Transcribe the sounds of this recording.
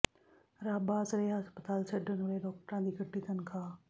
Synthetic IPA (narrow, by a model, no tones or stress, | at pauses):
ɾaːbaːzɾeːɦəspət̪aːlsʰɐɖənʊɽelɔːk̚ʈɾãːd̪iːɡʱɐʈːit̪ənɪ̆kʰãː